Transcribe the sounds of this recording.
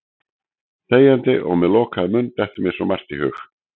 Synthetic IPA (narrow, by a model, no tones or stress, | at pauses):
θeːjant̪ɪʔɔ̰ɣmɛðlɔːkaðɪmʏnːt̪ɛht̪ʏmjɛ̥sɔmar̥t̪ihʏ̰x